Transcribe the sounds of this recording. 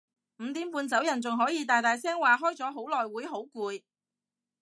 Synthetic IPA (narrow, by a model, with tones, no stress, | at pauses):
m̩˨˧t̪iː˨˥mpuː˧nt͡sɐ˨˥wjɐ˨˩nt͡sʊ˨ŋɦɔː˨˥jiː˨˧t̪aː˨jt̪aː˨˩jsɛː˥ŋwaː˨ɦɔː˥jt͡sɔː˨˥ɦo˨˥wlɔː˨˩jwuː˨˥jɦo˨˥wkuː˧j